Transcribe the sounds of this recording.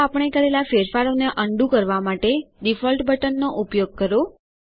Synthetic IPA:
apəɳ̃ekəɾelafeɾfaɾoneʔəɳɖũkəɾʋamaʈeɖifɔlʈbəʈənːoʔupjoɡ̚kəɾo

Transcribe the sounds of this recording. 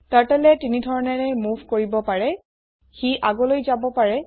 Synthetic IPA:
taɹtɛlɛtinidʱɔɹɔnɛɹɛmuvʱkoɹibɔpaɹɛ | xiʔaɡɔlojzabɔpaɹɛ

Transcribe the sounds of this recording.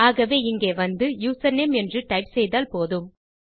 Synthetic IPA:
aːɣɐʋeːɪŋɡeːʋɐnd̪ɯjuːsɐnemɛndrɯʈɐɪpsɛjðaːlpoːðɯm

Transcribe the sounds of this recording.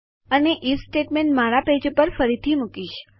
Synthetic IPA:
əneʔisʈeʈmẽɳʈmaɾaped͡ʒopəɾfəɾit̪ʰimukiʃ

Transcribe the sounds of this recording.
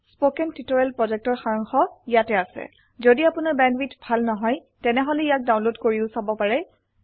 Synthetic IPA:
spokɛntitɔɹɛlpɹɔzɛk̚tɔɹxaɹɔŋxɔijatɛasɛ̰ | zodiapʊnaɹbɛndwitbʱalnɔɦɔj | tɛnɛɦɔlɛijak̚daw̃nlodkoɹiʊsabɔpaɹɛ

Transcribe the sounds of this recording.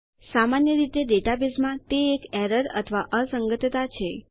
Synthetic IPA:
samanjəɾit̪eɖeʈabismãt̪eːkɛɾəɾə̰t̪ʰəʋaʔəsəŋɡət̪t̪at͡ʃʰe

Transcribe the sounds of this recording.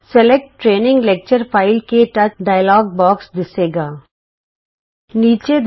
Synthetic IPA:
sɛlek̚ʈːɾeːnɪ̃ŋɡlek̚t͡ʃəɾfaɪlkeʈɐt͡ʃɖaːɪəlɔːɡ̚bɔːksd̪ɪseːɡaː | niːt͡ʃed̪

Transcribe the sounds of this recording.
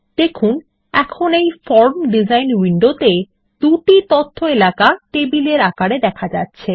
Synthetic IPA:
d̪̥ekʰun | ɛkʰonejfɔɾmɖid͡ʑajnwiɳɖot̪e | d̪uʈit̪ot̪ʰːoelakaʈebileɾakaɾed̪ɛkʰad͡ʑatːɕʰe

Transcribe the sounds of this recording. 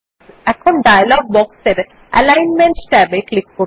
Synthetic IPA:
ɛkʰonɖajlɔɡ̚bɔkseɾ | ɛ̰lajnmeɳʈsʈɛbeklikːo

